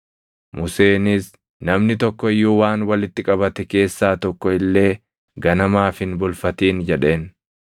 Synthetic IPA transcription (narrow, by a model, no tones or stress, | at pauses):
mʊse̞ːnɪs | nɐmnɪt̪ɔkːɔɪjːuːwaːnwɐlɪt̪ːɪkʼɐβɐt̪ɛke̞ːsːaːt̪ɔkːɔɪlːe̞ː | ɡɐnɐmaːfɪnbʊlfɐt̪iːnd͡ʒɛᶑe̞ːn